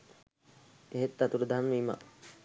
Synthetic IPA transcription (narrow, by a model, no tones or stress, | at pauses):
eɦet̪ːat̪uɾəd̪ʱanmiːma̰